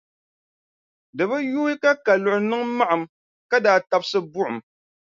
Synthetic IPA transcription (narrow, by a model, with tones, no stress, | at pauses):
dɨ˨bɨ˦juː˦i˦ka˦ka˨lʊ˨ʔʊ˨nɨ˦ŋma˦ʔa˨m | ka˦daː˨ta˨bsɨ˦bʊ˦ʔʊ˨m